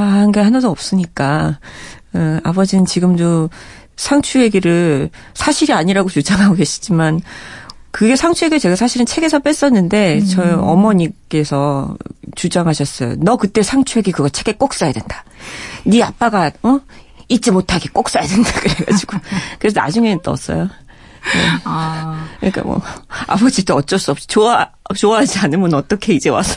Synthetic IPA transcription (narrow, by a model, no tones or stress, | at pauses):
aɦanɡehanʌdoʌp̚s͈ɯɲik͈a | ɯabʌd͡ʑinɯnt͡ɕiɡɯmdo | sʰaŋt͡ɕʰuɦe̞ɡiɾɯɭ | sʰaɕʰiɾiaɲiɾaɡot͡ɕud͡ʑaŋɦaɡoke̞ɕʰi̥d͡ʑiman | kɯɡe̞sʰaŋt͡ɕʰuɦe̞ɡiɾt͡ɕe̞ɡasʰaɕʰiɾɯnt͡ɕʰe̞ɡe̞sʰʌp͈es͈ʌnːɯnde̞t͡ɕʌʌ̰mʌɲik͈e̞sʰʌt͡ɕud͡ʑaŋɦaɕʰʌs͈ʌjo̰nʌkɯt͈e̞sʰaŋt͡ɕʰueɡekɯɡʌt͡ɕʰe̞ɡe̞k͈ok̚s͈ajadwendḁniap͈aɡaʌit̚t͡ɕ͈imotʰaɡek͈ok̚s͈ajadwe̞nd̥akɯɾe̞ɡa̰d͡ʑiɡ̥okɯɾe̞s̬ʰʌna̰d͡ʑuŋe̞nɯnt͈ʌ̰s͈ʌ̰jo | ne̞̰ | kɯɲik͈a̰mwʌ̰a̰bʌd͡ʑit͈oʌt͡ɕ͈ʌs͈uʌp̚ɕ͈i̥t͡ɕoat͡ɕoaɦad͡ʑianɯnbunʌt͈ʌkʰe̞id͡ʑe̞wa̰s͈ʌ̥